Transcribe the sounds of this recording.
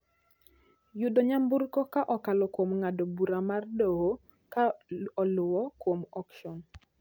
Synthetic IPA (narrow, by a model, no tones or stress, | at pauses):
jʊdoɲambʊɾkɔkaʔɔkalɔkwomŋadobuɾamardoɦo | kaɔlʊwɔkwomɔkʃɔn